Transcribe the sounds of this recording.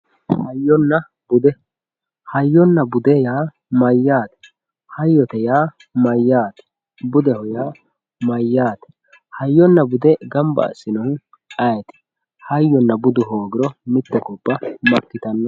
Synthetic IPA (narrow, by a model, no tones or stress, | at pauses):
hɐjːɔnːɐ | b̥ʊd̪ɛ | hɐjːɔnːɐbʊd̪ɛjaː | mɐjːaːt̪ɛ̥ | hɐjːɔt̪ɛjaː | mɐjːaːt̪ɛ̥ | bʊd̪ɛhɔjaː | mɐjːaːt̪ɛ̥ | hɐjːɔnːɐbʊd̪ɛɡɐmbɐ̰ɐ̰sːɪnʊ | ɐjɛt̪ɛ̥ | hɐjːɔnːɐbʊd̪ʊɦoːɡɪɾɔmɪt̪ːɛkɔbːɐmɐkːɪt̪ɐnːɔ